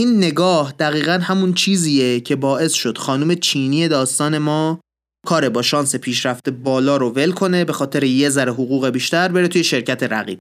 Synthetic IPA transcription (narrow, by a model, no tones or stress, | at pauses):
ʔiːnːe̞ɡɒːhd̪̥æɣiːɣænhæmunt͡ʃʰiːziːjecʰe̞bɒːʔe̞sʃo̞d̪̥xɒːnuːme̞t͡ʃʰiːnije̞d̪ɒːst̪ɒːne̞mɒː | kʰɒːɾe̞bɒːʃɒːnse̞pʰiːʃɾæft̪ebɒːlɒːɾove̞lkʰo̞ne̞be̞xɒːt̪ʰe̞ɾejezæɾeɦoɣuːɣe̞biːʃt̪æɾbeɾe̞t̪ʰuːje̞ʃe̞ɾcʰæt̪ʰe̞ɾæ̰ɣḭːb̥̚